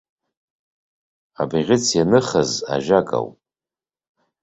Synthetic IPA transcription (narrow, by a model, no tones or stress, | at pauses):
abiʁʲɪt͡sʰjanɨχaza̰ʒakʼa̰wpʼ